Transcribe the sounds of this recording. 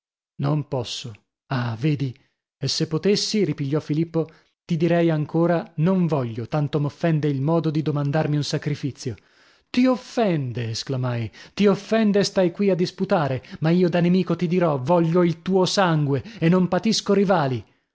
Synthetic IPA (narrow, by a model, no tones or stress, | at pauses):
nompɔsːo | aveːd̪i | esːepːot̪esːiɾipiʎːɔfilipːo | t̪id̪iɾɛjaŋkoːɾanoɱvɔʎːot̪ant̪omofːɛnd̪eilmɔːd̪od̪id̪omand̪armiunsakɾifit̪sːjo | t̪iofːɛnd̪eːsklamajt̪iofːɛnd̪est̪ajkwiad̪ːisput̪aːɾemaiːod̪anemiːkot̪id̪iɾɔvɔʎːoilt̪uːosaŋɡweenːompat̪iskoɾivaːli